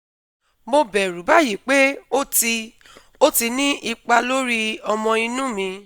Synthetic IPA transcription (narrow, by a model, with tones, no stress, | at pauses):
mo˧bɛ˨ɾu˨˦ba˦ji˨k͡pe˦o˦ti˧ | o˦ti˧nĩ˦i˧k͡pa˧lo˦ɾi˦ɔ˧mɔ̃˧i˧nũ˦mĩ˧